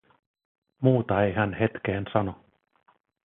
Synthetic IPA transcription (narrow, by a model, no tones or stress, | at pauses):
muːt̪ɑejɦænhe̞t̪k̟eːnsɑno̞